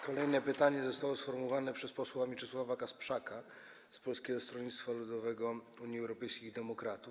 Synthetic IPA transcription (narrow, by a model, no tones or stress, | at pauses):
kɔlɛjnɛpɘt̪aɲɛzɔst̪awɔsfɔɾmuvanɛpʂɛspɔswamʲit͡ʂɘswavakaspʂaka | spɔlskʲɛɡɔst̪ɾɔɲit̪t̪falud̪ɔvɛɡɔ | uɲjiɛwɾɔpɛjskʲixid̪ɛmɔkɾat̪uf